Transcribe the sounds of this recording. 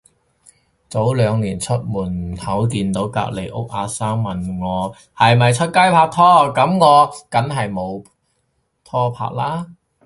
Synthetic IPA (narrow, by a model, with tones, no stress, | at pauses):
t͡so˨˥wlœː˨˧ŋliː˨˩nt͡sʰɵ˥t̚muː˨˩nhʰɐ˨˥wk̬iː˧nt̪o˨˥wka̰ː˧k̚le˨˩jʔʊ̰˥k̚ʔaː˨˧saː˥ŋmɐ˨nŋɔː˨˧ | hɐ˨jmɐ˨jt͡sʰɵ˥t̚kɐ˥jpʰaː˧k̚t̪ʰɔː˥kɐ˨˧˥mŋɔː˨˧kɐ˨˥nɦɐ˨jmo˨˧w | t̪ʰɔː˥pʰa̰ː˧k̚laː˥